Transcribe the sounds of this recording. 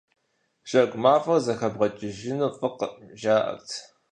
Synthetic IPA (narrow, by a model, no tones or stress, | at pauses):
ɕʼɐkʷʼmaːfʼɐrzɐxɐbʁɐt͡ʃʼɪʒɪnufʼɨqəʒaːʔɐ̰rtʰ